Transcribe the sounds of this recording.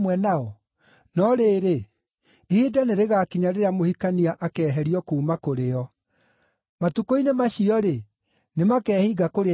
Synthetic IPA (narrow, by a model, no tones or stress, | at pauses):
mwɛnaɔ | nɔɾeːɾe | ihedaneɾeɣakiɲaɾeɾamohikaniaʔakɛːɦɛɾiɔkuːmakoɾeɔ | matukoinemaɕiɔɾe | nemakɛːhiɡakoɾe